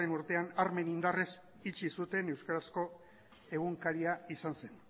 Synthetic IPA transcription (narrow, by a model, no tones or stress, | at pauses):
e̞nuɾt̪e̞anaɾme̞nind̪ares | it͡ʃisut̪e̞ne̞wskaɾasko̞ | e̞ɣuŋkaɾiaisanse̞n